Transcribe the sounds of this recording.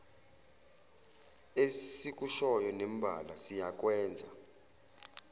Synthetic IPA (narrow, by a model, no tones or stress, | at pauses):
esik̬ʼuʃɔjɔnɛmbʱa̰lasijak̬ʼwɛːnd͡zʱa